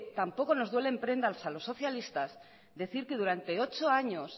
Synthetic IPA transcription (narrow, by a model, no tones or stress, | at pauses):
t̪ampo̞ko̞no̞zðwe̞lempɾe̞nd̪alsalo̞sːo̞θjalist̪as | d̪e̞θiɾke̞ð̞uɾant̪e̞o̞t͡ʃo̞aɲo̞s